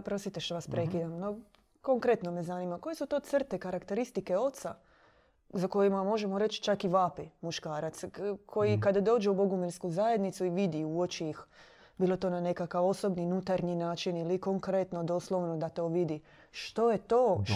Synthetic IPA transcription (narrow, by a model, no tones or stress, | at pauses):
pɾost̪it̪eʃt̪oʋaspɾekid̪amno | ko̞ŋkɾet̪no̞mezanimako̞jesut̪o̞ːt̪sr̩t̪ekaɾakt̪e̞ɾist̪ikeo̞t̪sa | zako̞jimamo̞ʒemoɾe̞t͡ʃt͡ʃakiʋapimuʃkaːɾat̪skʰo̞jikad̪ad̪o̞ːd͡ʒeubo̞ɡumiɾskuzaje̞d̪nit̪suiʋid̪iuot͡ʃiix | biːlˠot̪o̞ːnane̞kakaʋo̞so̞bninut̪aɾninaːt͡ʃinilikoŋkɾet̪no̞d̪oslˠoʋnod̪at̪o̞ʋid̪i | ʃt̪o̞jet̪o̞ː